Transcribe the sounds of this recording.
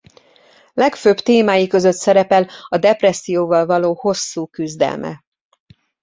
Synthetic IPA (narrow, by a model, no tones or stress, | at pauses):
lɛkføːbt̪eːmaːjikø̞zøt̪sɛɾɛpɛlɒd̪ɛprɛsːijoːvɒlvɒloːho̞sːuːkyzd̪ɛ̰lmʔɛ̰